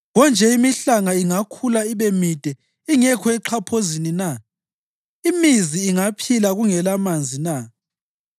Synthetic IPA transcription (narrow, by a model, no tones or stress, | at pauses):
ɣɔnd͡ʒʱɛimiɬaŋaiŋakʰulaiβemid̥ʱɛ | iŋɛkʰɔɛǃʰapʰozinina | imiziːŋapʰilaɣuŋɛlamand͡zʱina